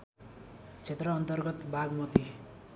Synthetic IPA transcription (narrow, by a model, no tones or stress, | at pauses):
t͡sʰet̪rʌːnt̪ʌrɡʌt̪bʱaɡmʌt̪i